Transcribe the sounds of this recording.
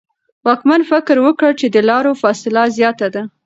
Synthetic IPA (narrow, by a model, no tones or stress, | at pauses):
wɑkmanfɪkɾwəkəɽt͡ʃed̪əlɑɾofɑsɪlazjɑt̪ad̪a